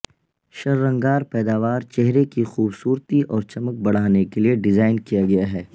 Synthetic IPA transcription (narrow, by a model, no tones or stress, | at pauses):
ʃɐɾːɐ̃ŋɡaːɾpɛːd̪aːʋaːɾt͡ʃɛɦɾekixuːbsuːɾt̪iʔɔːɾt͡ʃɐmək̚bɐɽ̤aːnekelieɖɪzaːɪnkijaɡɐjaɦɛː